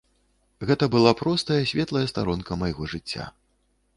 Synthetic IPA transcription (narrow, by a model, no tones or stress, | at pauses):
ɣɛt̪ɐbɨlˠapɾɔst̪ɐjɐsʲvʲɛt̪lˠɐjɛst̪aɾɔnkɐmajɣɔʐɨt͡sʲːa̰